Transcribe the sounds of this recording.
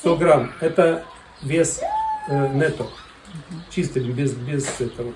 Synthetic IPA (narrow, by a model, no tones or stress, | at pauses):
t̪oɡɾamɛt̪ə | vʲesʲ | nɛt̪ok | t͡ɕist̪ɨnʲbʲezbʲezɛt̪əʋə